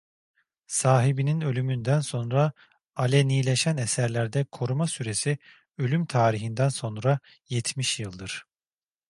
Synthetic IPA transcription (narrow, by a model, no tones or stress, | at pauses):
saːɦibininø̞lʲymynd̪ænso̞nɾa | alʲɛnijlʲeʃænesæɾlʲæɾd̪ɛkʰo̞ɾumasyɾe̞si | ø̞lʲymt̪ʰaːɾiɦind̪ænso̞nɾa | jɛt̪ʰmiʃjɯlˠd̪ɯɾ̥